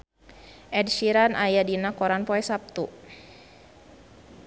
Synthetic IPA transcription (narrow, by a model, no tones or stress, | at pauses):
ʔɛdʃiɾanʔajadinakɔɾanpɔɛsap̚t̪u